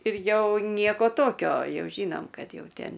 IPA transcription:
ɪr ˈjɛʊ ˈnʲiɛkoː ˈtoːkʲoː ˈjɛʊ ˈʒʲiːnoːm ˈkɐt ˈjɛʊ ˈtʲeːn

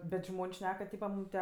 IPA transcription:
bʲɛt ˈʒmoːnʲsʲ ˈʃʲnʲɛk kɐ ˈtʲiːpɐ ˈmuːm tʲiɛ

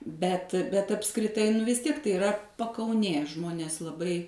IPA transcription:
ˈbʲɛt bʲɛt ɐpskrʲɪˈtɐɪ nʊ ʋʲɪs ˈtʲiɛk tɐɪ ɪˈrɐ pɐkɐʊˈnʲeː ˈʒmoːnʲeːs lˠɐˈbɐɪ

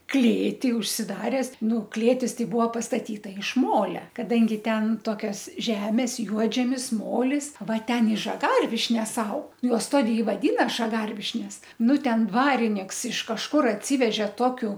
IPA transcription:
ˈklʲeːtʲiː ʊʃʲsʲɪˈdɑːrʲɛs ˈnʊ ˈklʲeːtʲɪs ˈtɐɪ ˈbʊʋoː pɐstɐˈtʲiːtɐ ɪʃ ˈmoːlʲɛ kɐˈdɐŋʲɡʲɪ ˈtʲɛn ˈtoːkʲɛs ˈʒʲæːmʲɛs ˈjuɔd͡ʒʲɛmʲɪs ˈmoːlʲɪs ˈʋɐ ˈtʲɛn ɪ ʒɐˈɡɐrʲʋʲɪʃʲnʲɛs ˈɐʊk juɔs ˈtoːdʲeː ɪ ʋɐˈdʲiːnɐ ʒɐˈɡɐrʲʋʲɪʃʲnʲɛs ˈnʊ ˈtʲɛn ˈdʋɑːrʲɪnʲɪks ɪʃ kɐʃˈkʊr ɐtʲˈsʲiːʋʲɛʒʲɛ ˈtoːkʲʊ

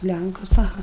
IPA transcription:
ˈlʲæŋkʊs ɐˈɣɐ

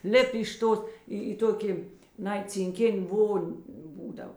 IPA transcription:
ˈlʲɪpʲ ɪʃ ˈtoːs ˈiː iː ˈtoːkʲɪ ˈnɐɪ t͡sʲɪŋʲˈkʲɪnʲ ˈʋoːnʲ ˈbuːdɐw

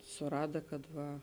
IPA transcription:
sʊˈrɑːdɐ kɐt ˈʋɐ

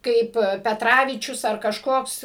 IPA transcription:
ˈkɐɪp pʲɛˈtrɑːʋʲiːt͡ʃʲʊs ɐr kɐʃˈkoːks

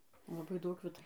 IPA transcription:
lˠɐˈbɐɪ ˈdɐʊk ˈʋʲɪtɐ

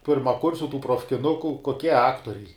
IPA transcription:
pʲɪrmɐˈkʊrʲsʲʊ tuː proːfʲkʲɪˈnʊkʊ koːˈkʲiɛ ˈɑːktoːrʲɛɪ

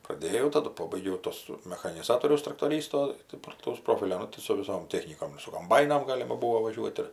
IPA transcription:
prɐˈdʲeːjɛʊ tɐˈdʊ ˈpoːbɐɪɡʲɛʊ ˈtuɔs mʲɛxɐnʲɪˈzɑːtoːrʲɛʊs trɐktoːˈrʲiːstoː tɐɪ plˠɐˈtɐʊs ˈproːfʲɪlʲoː ˈnʊ tɐɪ sʊ ʋʲɪˈsoːm ˈtʲæːxʲnʲiːkoːm ɪr sʊ koːmˈbɐɪnoːm ˈɡɑːlʲɪmɐ ˈbuːoː ʋɐˈʒʲuɔtʲ ɪr

